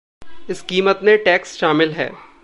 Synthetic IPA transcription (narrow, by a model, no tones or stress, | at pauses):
ɪskiːmət̪mẽʈɛːksʃaːmɪlɦɛ̰ː